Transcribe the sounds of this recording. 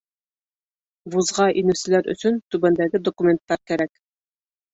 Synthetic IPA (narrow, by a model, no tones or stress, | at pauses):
buzʁɑʔinʉsɘ̆læɾɵ̰̆sɵnt̪ʉbænd̪æɡɘd̪okumʲe̞nt̪ːɑɾkæɾæk